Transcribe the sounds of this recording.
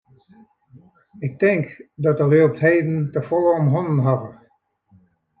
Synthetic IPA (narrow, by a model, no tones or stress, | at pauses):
ɪk̚tɪŋkdɔtəløəp̚tɦeːdən̩təfoːɔmɦɔnənɦɑvə